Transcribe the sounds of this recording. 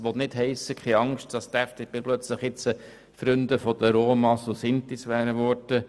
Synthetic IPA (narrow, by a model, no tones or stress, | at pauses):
ʋɔt̪nɪtɦɛɪsəkχɛɑŋʃtd̥ɑst̪ææfteb̥eːplœt͡sləχɪt͡sə | fɾʏnd̪əfɔd̥̪əɾoːmɑsolsɪnt̪isʋæːɾəʋɔɾd̥ə